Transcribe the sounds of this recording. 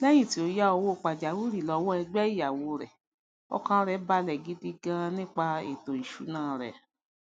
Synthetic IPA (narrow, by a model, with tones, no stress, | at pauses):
lɛ˦j̃ĩ˦˨ti˨˦o˧ja˦ɔ˧wo˦˨k͡pa˨d͡ʒa˨wu˦ɾi˦˨lɔ˨˧˦wɔ˦ɛ˧ɡ͡bɛ˦i˦ja˨wo˧˦ɾɛ̰˨ | ɔ̰˦˧kã˧ɾɛ˨˦ba˧˦lɛ˨ɡi˨˦di˦ɡã˧nĩ˦k͡pa˧ḛ˨to˨i˨ʃu˨˦nãː˦˨ɾɛ̰˨